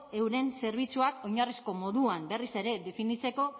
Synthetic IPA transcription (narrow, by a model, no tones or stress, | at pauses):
e̞wɾe̞nse̞ɾβ̞it͡suako̞jɲarisko̞mo̞ðuambe̞rise̞ɾe̞ðe̞finit͡se̞ko̞